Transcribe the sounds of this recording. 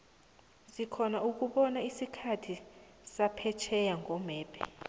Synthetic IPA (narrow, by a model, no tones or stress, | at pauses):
zikʰɔnauk̬uɓɔnaisikʰatʰi | sapʰɛt͡ʃʰɛjaŋʱɔmɛːpʰɛ̰